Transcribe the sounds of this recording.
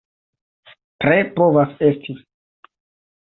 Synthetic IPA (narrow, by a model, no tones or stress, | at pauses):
tɾepo̞vase̞stʰi